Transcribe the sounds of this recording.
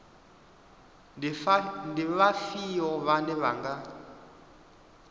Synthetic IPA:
ndiβafiɔβandɛβaŋɡa

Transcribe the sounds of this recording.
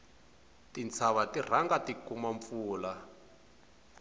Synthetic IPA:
tint͡sʰaβatir̤aŋɡatikumaɱfuːla

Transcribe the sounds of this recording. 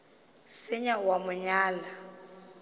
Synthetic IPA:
sɪɲawamʊɲaːla

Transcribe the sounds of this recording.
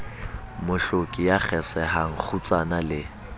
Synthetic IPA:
mʊɬokʼijak͡xʰɛsɛɦaŋ̩k͡xʰut͡sʼanalɪ

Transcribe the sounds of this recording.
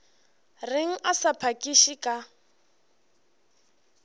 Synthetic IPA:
rɪŋ̩asapʰakʼiʃikʼa

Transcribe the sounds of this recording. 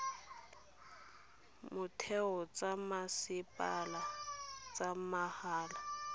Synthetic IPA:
mʊtʰɛɔt͡sʼamasɪpʼalat͡sʼamahaːla

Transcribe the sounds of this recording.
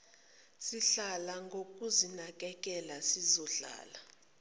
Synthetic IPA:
siɬalaŋɡʱok̬ʼuzinakʼɛk̬ʼɛlasizɔɬa̰ːla

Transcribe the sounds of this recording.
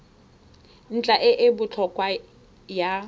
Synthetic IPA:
n̩t͡ɬʼaʔɪʔɪbʊt͡ɬʰɔkʼwa | ja

